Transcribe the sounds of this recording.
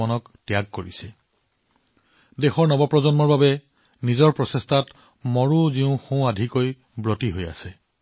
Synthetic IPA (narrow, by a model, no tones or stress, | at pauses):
ɔnɔk | tjaɡ̚koɹisɛ | dexɔɹnɔbɔpɹɔzɔnmɔɹbabɛ | nizɔɹpɹɔsestʰat | mɔɹuziʊ̃xõadʱikoj | bɹɔtiɦoja̰sɛ